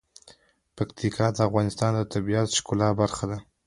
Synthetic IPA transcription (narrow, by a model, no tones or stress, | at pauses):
pakt̪ʰikʰɑd̪əafɣɑnɪst̪ɑnd̪ət̪abiat̪ʃkulɑbaɾxad̪a